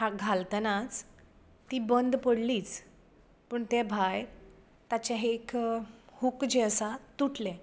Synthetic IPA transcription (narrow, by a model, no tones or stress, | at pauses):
ɦaɡʱalt̪nat͡s | t̪ːiːbənd̪pəɽliːt͡s | pəɳt̪ebʱaj | t̪at͡ɕaɦeːkhukd͡ʑeəsat̪uʈlẽ